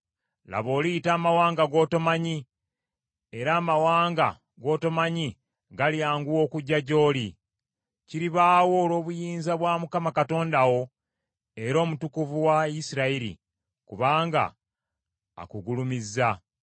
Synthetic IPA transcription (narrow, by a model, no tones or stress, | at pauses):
la̰βo̞ːliitaːmawaːŋɡaɡo̞ːto̞maɲi | e̞ɾaːmawaːŋɡa̰ | ɡo̞ːto̞maɲi | ɡaljaːŋɡuwo̞ːkuɟːaɟo̞ːli | ciɾiβaːwo̞ːlo̞ːβujiːnzaβwaːmukamakato̞ːndawo̞ | e̞ɾo̞ːmutukuvuwaisiɾaiɾḭ | kuβaːŋɡa̰ | kuɡulumizːa